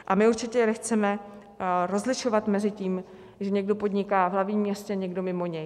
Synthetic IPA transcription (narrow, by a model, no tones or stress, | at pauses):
ʔamɪuɾt͡ʃɪcɛɾɛxt͡sɛmɛ | ɾo̞zlɪʃo̞vat̪mɛzɪciːm | ʒɛɲɛɡdo̞po̞d̪ɲɪkaːvɦlavɲiːmːɲɛscɛɲɛɡdo̞mɪmo̞ɲɛj